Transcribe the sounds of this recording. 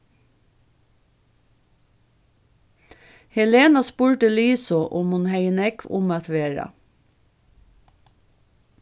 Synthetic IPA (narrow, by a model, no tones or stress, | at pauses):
hɛleːnɑspuːɹʈəlyːsɔʔʊmhunhæɪənɛkʋʊ̰mɑːt̪ʰʋeːɹɑ̰